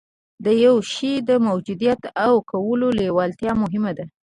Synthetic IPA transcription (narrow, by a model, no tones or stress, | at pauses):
d̪əjawʃid̪əmawd͡ʒud̪ijat̪awkawəlolewɑlt̪jɑmʊɦɪmad̪a